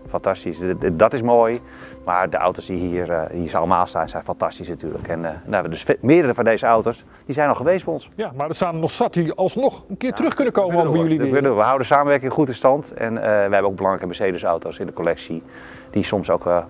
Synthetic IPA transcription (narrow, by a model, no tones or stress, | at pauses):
fɑntɑstisdɔtɪsmoːj | ma̰ɹdəʔa̰wtosdiɦiːəɹhiːsɑ̰lˠəma̰ːlˠsta̰ːnsɛjnfantɑstisnatyːlə̰kʰɛnadøsmɪːədərəfɔndejzəawtos | d̥isɛjnɔlˠxəʋejstbɛjɔnsjamadəsaːnənɔχsatiɑlˠsnɔχənkɪːtərɵxkɵnəkowmənijəlidʋəɦawədənsaːməʋɛrkɪŋχutɪnstɑntɛ̰nʋəhɛbəoʊkɡbəlɑŋrɛjkəmɛseːdəsa̰wtowsɪndəkolɛksi | d̥isɔmsowk